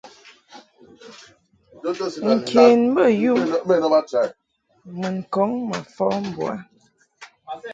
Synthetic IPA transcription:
ŋ̩˨kʰe˨nm̩˦bə˦˨ju˦me˦˨nə˦a˦t͡ʃa˨ | mə˨ŋ˨kɔ˨˦ŋma̰˨fɔ˦m̩˨bwa̰˦

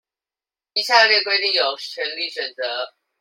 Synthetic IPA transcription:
i˥˩ɕja˥˧ljɛ˥˨kwe˥ɪt̪i˥˨ŋjo˨˩ʊt͡ɕʰɥɛ˧˥ŋli˥˨ɕɥɛ˨˩nt͡sə˨˦

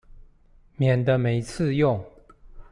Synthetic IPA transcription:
mjɛ˨˩nd̪ə˦me˨˩˦ɪt͡s̩ʰ˥˧jʊ˥˩ŋ

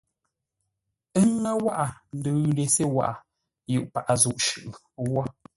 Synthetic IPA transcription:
ə˦ŋa˦wa˦ʔa˨n̩˨də˨˦de˨se˦wa̰˦˨ʔa˨ | ju˦˨ʔpa˨ʔa˨zu˨ʔʃʉ˦˨ʔwɔ˦

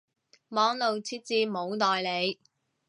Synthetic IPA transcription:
mɔː˨˧˥ŋlo˨wt͡sʰiː˥t̚t͡siː˧mo˨˧wt̪ɔː˨jle˨˧j

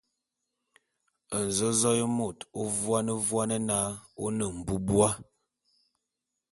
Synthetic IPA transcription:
ə˨n̩˨zo˦zɔ˦jə˦mo˨to˦vwa˦nə˦vwa˦nə˦na˦o˦nə˨m̩˨bu˦bwa˦

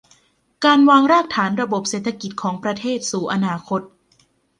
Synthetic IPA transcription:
kaː˧nwaː˧ŋɾaː˥˩k̚t̪ʰaː˩˦nɾa˧bo˨˩p̚seː˨˩t̪ʰːa˧ki˨˩t̪̚kʰɔː˩˦ŋpɾa˧t̪ʰeː˥˩t̪̚suː˨˩˦ʔa˧naː˧kʰo˦˥t̪̚

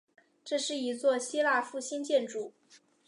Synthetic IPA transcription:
ʈ͡ʂɤ˥˧ʂɻ̩˥˩i˧˥t͡swɔ˥˩ɕi˥la˥˧fu˥˩ɕi˥nt͡ɕjɛ˥˩nʈ͡ʂu˨˩˦

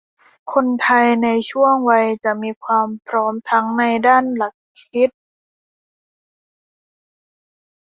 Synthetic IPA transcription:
kʰo˧nt̪ʰa˧jna˧jt͡ɕʰu˥˩əŋwa˧jt͡ɕa˨˩miː˧kʰwaː˧mpʰɾɔː˦˥mt̪ʰa˦˥ŋna˧jdaː˥˩nla˨˩kʰːi˦˥t̪̚

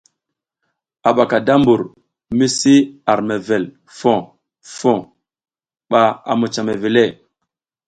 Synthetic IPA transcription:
a˨ɓa˨ka˨da˦mbu˨ɾ | mi˦si˦a˨ɾme˨ve˨l | fõ˨ | fo˨ | ɓa˨a̰˨mu˨t͡ʃa˨me˨ve˨le˦˨

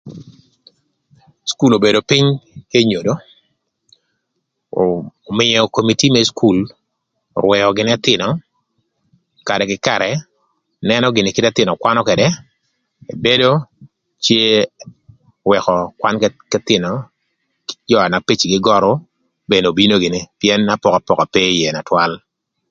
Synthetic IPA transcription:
sku˦lo˨be˨do˨pɪ˦ɲke˦ɲo˨do˦ | mɪ˨ɔ˨ko˨mi˨ti˦mɛ˦skʰu˦l̰ | ɾwɛ˨ɔ˨ɡɪ˨n˦a˦t̪ɪ˨nɔ˨ | ka˨dɛ˨kɪ˦kaɾɛ˨ | nɛ˦nɔ˦ɡɪ˨ne˨kɪ˦ta˦t̪ɪ˨nɔ˨kwa˦nɔ˦kɛ˨dɛ˦ | e˨be˦do˦ | t͡ʃje˦ | wɛ˨kɔ˨kwʷa˦nkkɛ˦t̪ɪ˨nɔ̥˨ | d͡ʒɔ˦a˨na˨pi˦t͡ʃi˨ɡɪ˦ɡɔ˦ɾɔ˦ | be˨no˨bi˦no˦ɡɪ˨ne˦pjɛ˦na˦pɔ˨ka˨pɔ˨ka˨pe˦jɛ˨na˨twa˦l

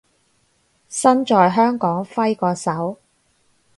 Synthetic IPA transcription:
sɐ˥nt͡ʃɔː˨˧jɦœː˥ŋkɔː˨˥ŋfɐ˥jkɔː˧sɐ˨˥w

